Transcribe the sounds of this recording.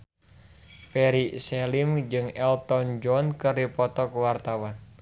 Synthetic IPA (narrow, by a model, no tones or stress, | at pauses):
pɛɾisɛlimd͡ʒɨŋɛlt̪ɔnd͡ʒɔnkərdipɔt̪ɔkuwart̪awan